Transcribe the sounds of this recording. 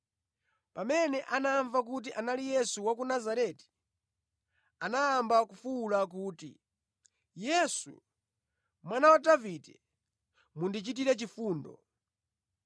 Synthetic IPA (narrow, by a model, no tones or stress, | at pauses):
pamɛnɛʔanaɱvak̬ut̬iʔanalijɛsuwakunazaɾɛti̥ | anaːmbakufuːlak̬uːtḭ | jɛsṵ | mwanawadavitɛ | mundit͡ʃit̬iɾɛt͡ʃifuːndɔ̰